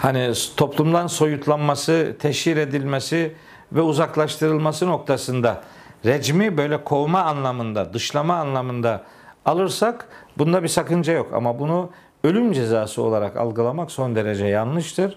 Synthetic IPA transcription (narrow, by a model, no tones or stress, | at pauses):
hanit̪ʰo̞plˠumd̪anso̞jut̪ʰlˠanmasɯt̪ʰɛʃiɾe̞d̪ilʲmesi | vɛuzaklˠaʃt̪ʰɯɾɯlˠmasɯno̞k̚t̪ʰasɯnd̪a | ɾɛd͡ʒmibø̞jlʲɛkʰo̞maːnlˠamɯnd̪ad̪ɯʃlˠamaːnlˠamɯnd̪aː | lˠɯɾsakbund̪abisakɯnd͡ʒajo̞ka̰mabunu | ø̞lʲymd͡ʒe̞zaːsɯo̞lˠaɾaka̰lˠɡɯlˠamakso̞nd̪e̞ɾed͡ʒɛjanlˠɯʃt̪ʰɯɾ̥